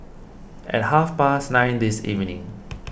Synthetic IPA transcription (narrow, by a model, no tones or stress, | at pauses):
ʔɛ̰t̚hafpasnãɪ̃nd̪isḭvnĩŋ